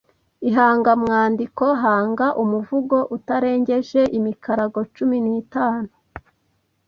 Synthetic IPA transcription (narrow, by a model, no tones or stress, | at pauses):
iɦaːŋɡamŋaːndiko̞ɦaːŋɡaʔumuvuɡo̞ʔutaɾe̞ːɲɟe̞ʒe̞ʔimikaɾaɡo̞t͡ʃuminiːtaːnu